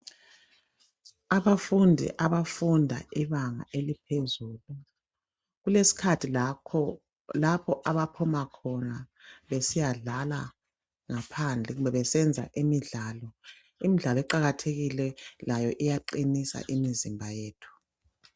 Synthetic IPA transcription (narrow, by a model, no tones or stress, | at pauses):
aβafundʱḭʔaβafundʱa̰iβaŋa̰ʔelipʰezuːlu | ɣulesi̥kʰatʰi | lapʰɔʔaβapʰumakʰɔnaβesijaɮala | ŋapʰand͡ɮʱɛɣumbɛβɛsɛnd͡zʱa̰ʔimiɮalɔ | imiɮalɔɛǃaɣatʰeɣilɛlajɔʔijaǃinisa̰ʔimizimbʱajeːtʰu̥